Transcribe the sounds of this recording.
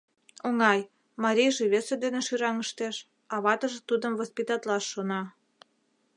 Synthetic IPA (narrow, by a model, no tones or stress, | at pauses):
oŋɑj | mɑɾʲijʒĕβesĕd̪eneʃyɾɑŋəʃt̪eʃ | ɑβɑt̪ə̆ʒĕt̪ud̪əmvospʲit̪ɑt̪lɑʃːonɑ